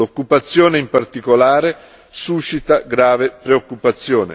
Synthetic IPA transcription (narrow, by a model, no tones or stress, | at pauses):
okːupat̪sːjɔːneimpart̪ikolaːɾe | suʃːit̪aɡɾaːvepɾeokːupat̪sːjɔːnḛ